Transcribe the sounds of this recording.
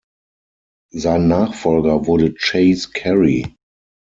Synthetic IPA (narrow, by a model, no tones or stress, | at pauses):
zaɪ̃nːaːχfɔlɡɐvʊɐɾət͡ʃeɪskʰɛɹi